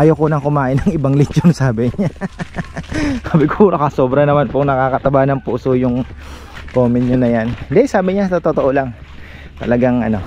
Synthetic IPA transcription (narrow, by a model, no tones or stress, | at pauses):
ʔaːjokonɐŋkʊmaːʔɪnːɐŋɪbaŋlɪt͡ʃonsaːbɪɲa | saːbɪkoɾokɐso̞ːbɾɐnɐmanpʊŋnɐkaːkɐt̪ɐbanɐŋpuːsojʊŋ | koːmɪnɲonɐjanɪnd̪ɛsaːbɪɲasɐt̪ot̪ot̪oʔolɐŋ | t̪ɐ̰lɐɡaŋʔɐ̰no̞